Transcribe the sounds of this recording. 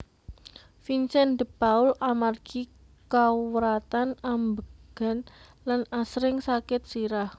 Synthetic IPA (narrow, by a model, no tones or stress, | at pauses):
fint͡ʃɛnd̪əpaʊlamarɡ̥i | kawwɾat̪anambəɡ̥a̤n | lanasɾɪŋsakɪt̪̚siɾah